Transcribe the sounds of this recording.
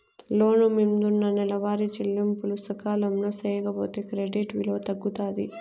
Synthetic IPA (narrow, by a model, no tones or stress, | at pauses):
loːnumimd̪unːɐnɛlɐʋaːɾit͡ʃilːimpulusɐkaːlɐmloːsɛːjɐkɐboːt̪eːkɾeɖiʈʋilo̞ːt̪ɐɡːut̪aːd̪i